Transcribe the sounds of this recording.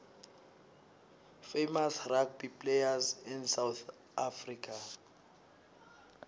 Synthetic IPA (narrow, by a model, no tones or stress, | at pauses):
femasrak̚bipʼlejazinsawθ | afrikʰa